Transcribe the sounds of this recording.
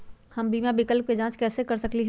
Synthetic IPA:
hɐmbiːmãbɪkəlp̚ked͡ʒãːt͡ʃkɛːsekɐɾsɐkliɦ

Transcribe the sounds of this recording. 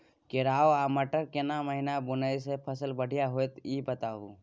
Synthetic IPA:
kɪɾaːoaːməʈəɾkenaməɦinabʊnəisepʰəsəlbəɽ̤ʱijaɦojt̪iːbət̪aɦu

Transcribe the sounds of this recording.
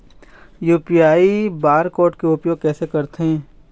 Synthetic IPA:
juːpiaːibaːɾkɔːɾʈkeʊpjoːɡ̚kɛːsekɐɾt̪eɦɛ̃ː

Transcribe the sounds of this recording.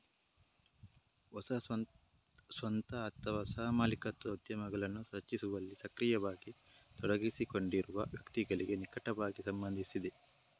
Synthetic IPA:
ɔsɐ | sʋɐnt̪ɐːt̪ːɐʋasaːmaːlikɐt̪ːɐud̪jɐmɐɡɐɭɐnːusɐt͡ʃːisuʋɐlːisɐkɾijɐʋaːɡi | t̪ɔɽɐɡisiko̞ɳɖiɾuʋɐ̰ʋjɐkt̪iɡɐɭiɡenikɐʈɐʋaːɡisɐmbɐnd̪ʱisid̪e

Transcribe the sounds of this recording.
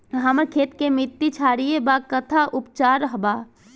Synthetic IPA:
ɦəməɾkʰeːt̪kemɪt̪ːit͡ʃʰaːɾijebakət̪ʰaʔʊpt͡ʃaːɾəɦbaː

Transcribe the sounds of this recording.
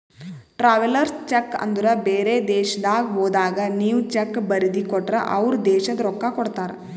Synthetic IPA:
ʈɾaːʋɐlɐɾst͡ʃɐkːɐ̰nd̪uɾɐbeːɾed̪ɛːʃɐd̪aːɡɦoːd̪aːɡɐniːʋt͡ʃɐkːbɐɾid̪ikɔʈːɾɐ̰ʔɐʋɾud̪ɛːʃɐd̪ɐɾɔkːakɔɽt̪aːɾe

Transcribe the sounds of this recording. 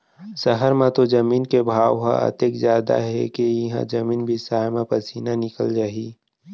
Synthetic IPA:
səɦəɾmãt̪od͡ʒɐmiːnkebʱaːwɦã̰ʔə̰t̪ekzjaːd̪a̰ɦɛ̰kejɐɦã̰d͡ʒɐmiːnbʱisaːjmãpɐɾsiːnanɪkə̰ld͡ʒaːɦiː

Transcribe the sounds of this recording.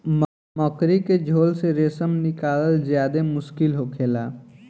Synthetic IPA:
m | mɔkɾiked͡ʒʱoːlseɾeːsəmnɪkaːləlzjaːd̪emʊʃkɪlɦokʰeːlaː

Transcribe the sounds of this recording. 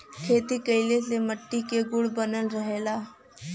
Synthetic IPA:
kʰeːt̪ikəɪleseməʈːikeɡʊɽbənəlɾəɦeːlaː

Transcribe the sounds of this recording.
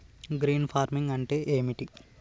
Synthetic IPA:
ɡɾiːnpʰaːɾmiŋɡɐɳʈe̞ːʔeːmiʈi

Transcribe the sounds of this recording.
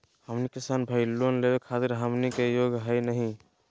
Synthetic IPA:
həmnikisanbʱəjlonlebekʰat̪iɾɦəmnikejoɡɦəjnəɦĩ

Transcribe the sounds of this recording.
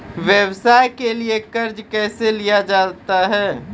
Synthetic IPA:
ʋjəbsajkeliekəɾd͡ʒkɛːselijad͡ʒad̪t̪aɦɛ

